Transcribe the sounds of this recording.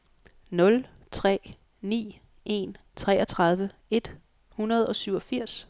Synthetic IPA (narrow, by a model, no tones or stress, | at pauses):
nɔ̽l | t͡sʰʁɛ̰ː | nḭː | ʔe̝̰n | t͡sʰʁɛːɐt͡sʰʁɑ̈ð̞ˠʋəe̝d̥ | hunɐð̞̩ˠɒ̽syʊɒ̽fiɐ̰s